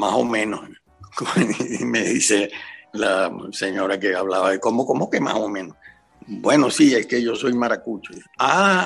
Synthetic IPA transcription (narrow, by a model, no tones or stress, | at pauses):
maso̞̰mẽnoh | komeðiselaseɲo̞ɾake̞aβlaβaðekomokomokema̰somẽnos | bwe̞nosie̞ske̞ʝo̞so̞jmaɾakut͡ʃoa